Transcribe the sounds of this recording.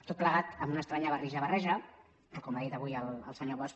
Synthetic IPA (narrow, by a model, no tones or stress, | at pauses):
t̪ot̪pləɣat̪əmbunəst̪ɾaɲəβəriʒəβərɛʒə | pɾɔkɔmaðit̪əβujəlˠə̰lˠsəɲoβɔs